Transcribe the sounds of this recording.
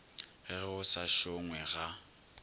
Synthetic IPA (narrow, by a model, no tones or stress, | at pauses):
ɣɛɣʊsaʃoŋwɛɣa